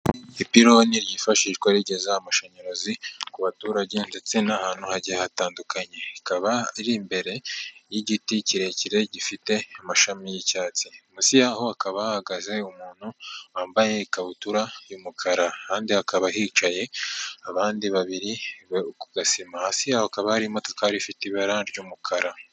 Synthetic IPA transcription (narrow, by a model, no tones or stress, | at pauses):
ipiɾoniɾjifaʃiʒɡwaɾiɟe̞zaːmaʃaɲoɾo̞zikuβatuːɾaɟendet͡senahaːn̥huhaɟiahataːndukaɲe̞ikaβaiɾimbe̞ɾe̞jiɟiticiɾe̞ciɾe̞ɟifite̞amaʃamijicaːt͡simusijahoakaβahahaɡaze̞umuːn̥huaːmbaje̞ikaβutuɾajumukʰaɾakaːndihakaβaɦit͡ʃaje̞aβaːndiβaβiɾiβeukuɡasimahasijahoakaβahaɾimo̞tokaɾifitiβaɾaɾɟumukʰaɾa